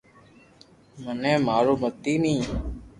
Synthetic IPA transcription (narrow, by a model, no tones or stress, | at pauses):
mənɛ̃ːmaːɾoːmət̪iːmĩː